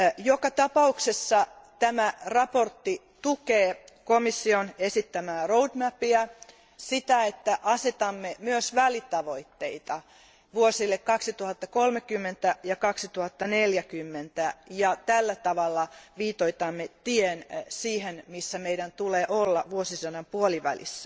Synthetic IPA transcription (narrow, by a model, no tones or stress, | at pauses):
jokɑt̪ɑpɑuksesːɑt̪æmærɑport̪ːi | t̪ukeːkomisːionesit̪ːæmæːroudmæpiæ | sit̪æet̪ːæʔɑset̪ɑmːemyøsʋælit̪ɑʋo̞it̪ːeit̪ɑ | ʋuosilːekkːɑksit̪uhɑt̪ːɑkolmekymːent̪æjɑkɑksit̪uhɑt̪ːɑneljækymːent̪æjɑt̪ælːæt̪ɑʋɑlːɑʋiːt̪oit̪ɑmːet̪iensiːhenmisːæmeidænt̪uleːʔolːɑʋuosisɑnɑmpuoliʋæ̰lḭsːæ̥